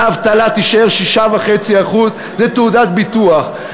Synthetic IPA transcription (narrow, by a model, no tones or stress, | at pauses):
avt̪alat̪iʃaeʁʃiʃavaχet͡siaχuz | zet̪eud̪at̪bit̪uaχ